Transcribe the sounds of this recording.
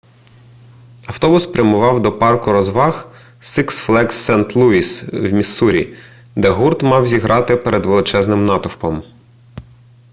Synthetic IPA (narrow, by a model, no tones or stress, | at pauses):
ɐwt̪ɔbʊspɾʲɐmʊʋɑwd̪ɔpɑrkʊɾɔzʋɑx | siksflˠɛksːɛnt̪lˠuiswmʲisuɾʲḭ | d̪ɛɦurt̪mɑwzʲiɦɾʔɑt̪ɪpeɾed̪ʋelˠɪt͡ʃɛznɪmnɑt̪ʊwpɔm